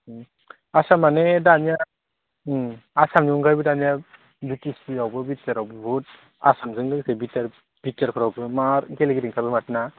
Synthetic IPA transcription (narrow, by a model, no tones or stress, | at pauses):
asamanedanija | asamniŋɡajbɯdanja | bitisiawbɯbit͡ʃaɾawbɯbut̚ | a̰samzɯŋdɯŋsɯbitaɾ | b̥it͡ʃaɾkʰɔɾawbɯmaɾɡɛlɡiɾiŋkʰabɯmatɯna